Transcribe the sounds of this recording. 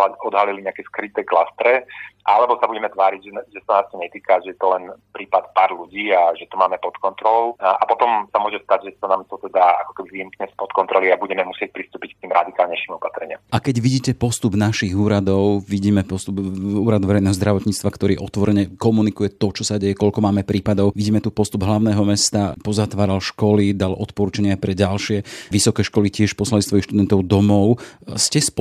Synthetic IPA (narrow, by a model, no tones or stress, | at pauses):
aɔd̪ɦaliliɲɛakɛskɾit̪ɛːklast̪ɾɛʔaalɛbɔsabuɟɛmɛt̪ʋaːɾiɟʒɛʒɛsanaːst̪ɔɲɛt̪iːkaʒɛjɛt̪ɔlɛnpɾiːpat̪paːɾluɟiːaʒɛt̪ɔmaːmɛpɔt̪kɔnt̪ɾɔlɔʊapɔt̪ɔmsamʊɔʒɛst̪aɟʒɛsanaːmt̪ɔt̪ɛd̪aakɔ̥kɛbiviːɛmkɲɛspɔt̪kɔnt̪ɾɔliabuɟɛmɛmusɪɛc̚pɾist̪uːpick̚t̪iːmɾad̪ikaːlɲɛjʃimɔpat̪ɾɛɲɪamʔakɛɟʋiɟiːcɛpɔst̪ubnaʃiɣuːɾad̪ɔʊʋiɟiːmɛpɔst̪ubuːɾad̪ʋɛɾɛjnɛːɦɔzd̪ɾaʋɔt̪ɲiːt͡st̪ʋakt̪ɔɾiːʔɔt̪ʋɔɾɛɲɛkɔmunikujɛt̪ɔt͡ʃɔsaɟɛjɛkɔʎkɔmaːmɛpɾʔiːpad̪ɔʊʋiɟiːmɛt̪upɔst̪ubɦlaʊnɛːɦɔmɛst̪apɔzat̪ʋaːɾalʃkɔlid̪alʔɔ̰t̪pɔɾuːt͡ʃaɲɪapɾɛɟalʃɪɛʋisɔkɛːʃkɔlicɪɛʃpɔslalist̪ɔjixʃt̪ud̪ɛnt̪ɔʊd̪ɔmɔʊscɛspɔ